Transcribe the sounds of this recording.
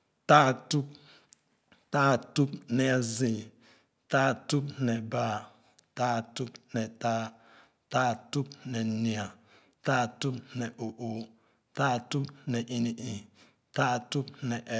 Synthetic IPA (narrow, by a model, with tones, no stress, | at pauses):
ta˦˨tu˦p̚ | ta˦˨tu˦pnɛ˨a˨zĩ˨ | ta˦˨tu˦pnɛ˨ba˦ | ta˦˨tu˦pnɛ˨taː˦ | ta˦˨tu˦p̚nɛ˨ni˨a˨ | taː˦˨tu˦pnɛ˨ʔo˨ʔo˨ | ta˦˨tu˦pnɛ˨ʔi˨ni˨ʔĩ˨ | taː˦˨tu˦pnɛ˨ʔ